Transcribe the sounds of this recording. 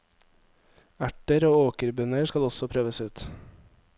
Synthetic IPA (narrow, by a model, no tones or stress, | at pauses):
æʈəɾoːoːkəɾbœnəɾskɑlɔsɔpʰɾøːʋəsʉːt̪